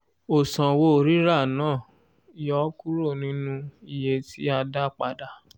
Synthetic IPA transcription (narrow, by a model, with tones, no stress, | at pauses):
o˨sã˨wo˧˨ɾi˦ɾa˦˨nãː˦˨ | i˨jɔ˦ku˦ɾo˦˨nĩ˨˦nũ˧i˧je˧tʰi˦a˧da˦k͡pa̰˧da˧